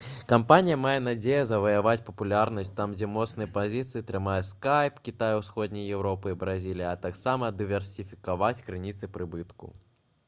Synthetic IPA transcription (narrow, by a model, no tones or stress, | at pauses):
kampanʲijɐmajɛnad͡zʲejɐzɐvɐjavat͡sʲpɐpulʲarnɐsʲtʲt̪amd͡zʲɛmɔt̪snɨjɛpazʲit̪sɨit̪ɾɨmajɛskajpkʲit̪ajuwsxɔd̪ʲnʲijjɛwɾɔpɨibɾazʲilʲijɐt̪aksamɐd̪ɨvʲɛrsʲifʲi̥kavat͡sʲkɾɨnʲit̪sɨpɾɨbɨt̪kṵ